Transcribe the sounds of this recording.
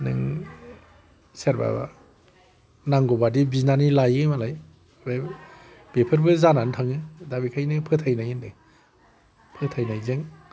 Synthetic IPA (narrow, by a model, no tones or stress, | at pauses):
nɯ̰ŋ | seɾba̰ba̰ | naŋɡɔbadibinanilajɯjmalaj | be | b̥epʰɯɾbɯzanantʰaŋɯdabikʰajnɯpʰɯtʰajnajɯndɯ | pʰɯtʰajnajzeŋ